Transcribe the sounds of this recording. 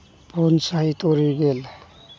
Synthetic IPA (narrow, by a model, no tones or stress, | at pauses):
bʰʱɔnsait̪ɔɾiɡel